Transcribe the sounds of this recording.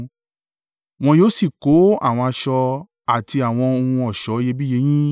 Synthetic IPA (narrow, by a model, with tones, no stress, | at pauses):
w̃ɔ̃˧joː˦si˦˨ko˨˦a̰˦˨w̃ɔ̃˧a˧ʃɔ˧ | a˦˨ti˧a˦˨w̃ɔ̃˧o˧hũ˧ɔ˨ʃɔ˨˦je˧bi˦je˧˦j̃ĩ˦